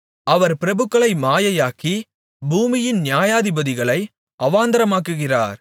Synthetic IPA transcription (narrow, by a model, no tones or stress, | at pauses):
ʔɐʋɐɾpɪɾɐbɯkːɐɭɐɪmaːjɐjaːki | buːmɪjɪnnjaːjaːðɪbɐðɪɣɐɭɐɪ | ʔɐʋaːnd̪ɐɾɐmaːkːɯɣɪra̰ːɾ